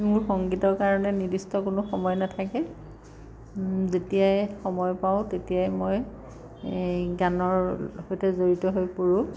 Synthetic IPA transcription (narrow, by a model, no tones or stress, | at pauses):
mʊɹxɔŋɡitɔɹkaɹɔnɛnidistɔkʊnʊxɔmɔjnatʰakɛ | zetijajxɔmɔjpaʊ̃tetijajmoj | ɡanɔɹɦɔjtɛzoɹitɔɦojpoɹʊ̃